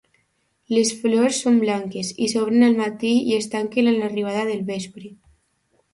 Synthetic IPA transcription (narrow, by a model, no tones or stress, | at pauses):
lesflosːomblaŋkesisoβ̞ɾenəlˠmat̪iḭest̪aŋkenanlariβ̞aðaðelˠβespɾe